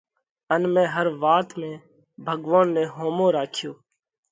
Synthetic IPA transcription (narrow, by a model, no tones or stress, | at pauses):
ənmẽːɦəɾʋaːt̪mẽː | bʱəɠʋaːnːẽːɦoːmõːɾaːkʰjoː